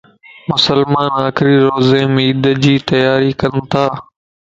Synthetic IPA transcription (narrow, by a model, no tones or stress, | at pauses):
mʊsəlmaːnaːkɪɾiɾoːzeːmiːd̪əd͡ʑiːt̪ɐjaːɾikɐnt̪ʰaː